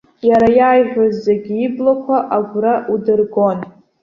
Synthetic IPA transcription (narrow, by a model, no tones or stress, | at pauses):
jaɾajaːjʒʷᶣozːeɡʲiiblakʷʰaʔaɡʷraʔudɨrɡo̞n